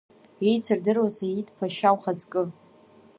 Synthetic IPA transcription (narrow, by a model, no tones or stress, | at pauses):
ejt͡sʰɨrdɨrwazajitʰʼpʰaʃawχad͡zʼkʼɨ